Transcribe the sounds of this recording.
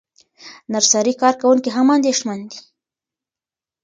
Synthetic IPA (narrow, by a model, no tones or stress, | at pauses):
naɾsɑɾikɑɾkawuŋkiɦamɑnd̪eʃmand̪i